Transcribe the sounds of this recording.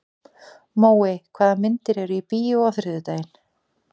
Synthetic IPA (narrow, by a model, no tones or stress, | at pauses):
moːwɪkʰvaːðamɪnt̪ɪɾɛɾʏipiːjʏawθɾɪðʏt̪aːjɪn